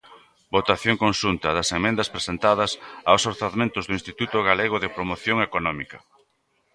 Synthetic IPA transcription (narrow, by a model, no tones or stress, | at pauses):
bot̪aθjoŋkonʃunt̪ɐðɐsemẽnd̪ɐspɾesent̪aðɐsawsoɾθaðmẽnt̪ʊzðʊĩnst̪it̪ut̪ʊɣaleɣ̞ʊðɪpɾomoθjoŋekonɔmikɐ